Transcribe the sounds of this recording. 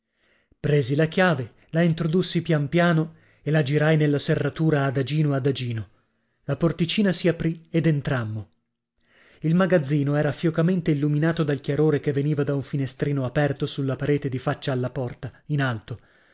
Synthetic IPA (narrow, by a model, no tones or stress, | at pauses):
pɾeːzilakjaːve | laint̪ɾod̪usːipjampjaːno | elad͡ʒiɾajnelːaserːat̪uːɾaːd̪ad͡ʒiːnoad̪ad͡ʒiːno | laport̪it͡ʃiːnasiapɾied̪ent̪ɾamːo | ilmaɡad̪zːiːnoɛːɾafjokament̪eilːuminaːt̪od̪alkʲjaɾoːɾekevːeniːvad̪auɱfinest̪ɾiːnoapɛrt̪osulːapaɾeːt̪ed̪ifat͡ʃːaːlːapɔrt̪ainalt̪o